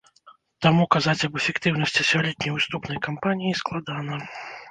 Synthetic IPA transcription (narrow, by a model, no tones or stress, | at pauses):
t̪amukazat͡sʲɐbɛfʲɛkt̪ɨwn̪ɐsʲt͡sʲisʲɔlʲit̪̚ʲnʲijɨst̪upnɐjkampanʲijisklˠad̪anɐ